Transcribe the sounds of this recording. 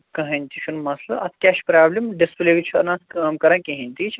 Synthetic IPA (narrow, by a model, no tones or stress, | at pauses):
kɐɦɐnʲt̪ʰiʃʰunmɐslɐɐt̪ʰkʲɛʃpɾaːblʲimɖispleʋit͡ʃʰuɐ̰nãːskaːmkɐɾãːkiɦɐ̃nʲt̪it͡ʃʰ